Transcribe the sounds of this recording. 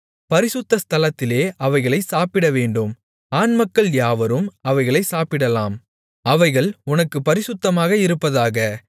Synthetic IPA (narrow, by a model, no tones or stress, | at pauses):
pɐɾɪsʊt̪ːɐst̪ʰɐlɐt̪ːɪleːʔɐʋɐɪɣɐɭɐɪsaːpɪɽɐʋeːɳɖɯm | aːnmɐkːɐɭjaːʋɐɾɯmɐʋɐɪɣɐɭɐɪsaːpɪɽɐlaːm | ɐʋɐɪɣɐɭʊnɐkːɯpɐɾɪsʊt̪ːɐmaːɣɐɪɾɯpːɐðaːɣɐ